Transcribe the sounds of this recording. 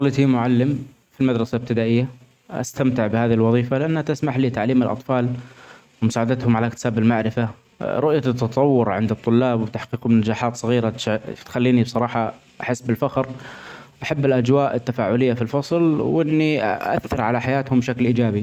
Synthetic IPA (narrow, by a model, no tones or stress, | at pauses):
ɑlt̪imʊʕalːɪm | filmad̪ɾˤɑsalɪbt̪ɪd̪aːʔɪjːa | ʔa̰st̪amt̪ɪʕbɪhaːðiɪlwɑðˤiːfalɪʔanːhat̪ɪsmaħliːt̪aʕliːmɪlʔɑ̰t̪ˤfɑːlwmʊsaːʕad̪at̪hʊmʕalaʔɪkt̪ɪ̥saːbɪlmaʕɾɪfa | ɾˤʊʔjat̪ːɑt̪ˤɑwːʊɾʕɪnd̪ɨt̪ˤːʊlːaːbwɪt̪aħqiːqhʊmnad͡ʒaːħaːt̪sˤɨɣiːɾat̪t̪xalːiːnibsˤɑɾˤɑːħɑ | ʔaħɪsːbɪlfaxɾ | ʔaħabːɪlʔad͡ʒwaːʔɪt̪ːafaːʕʊlɪjːafilfɑsˤlwʔɪnːiʔa̰θːɑɾˤʕalaħajaːt̪hʊmbɪʃaklʔiːd͡ʒaːbi